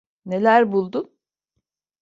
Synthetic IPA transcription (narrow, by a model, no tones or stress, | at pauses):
ne̞lʲæɾbulˠd̪ʊn